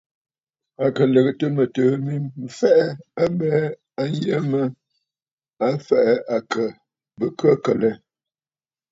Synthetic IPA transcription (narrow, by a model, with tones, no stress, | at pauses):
a˨kə˨lə˨ɣə˨tə˦mə˨təː˨˦mi˦m̩˨fɛ˦ʔɛ˦a˦bɛː˦ | a˦n˦jə˦mə˦ | a˦fɛ˨ʔɛ˦ʔa˨kə˨ | bə˦kə˦kə˨lɛ˦